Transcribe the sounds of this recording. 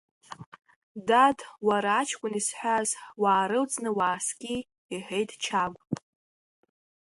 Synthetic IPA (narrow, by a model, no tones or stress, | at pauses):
dadwaɾaːt͡ʃʰkʷʼʊnisħʷazwaːɾɨlt͡sʼnɨwaːskʲʼi | iħejtʰʼt͡ʃʰaɡʷʼ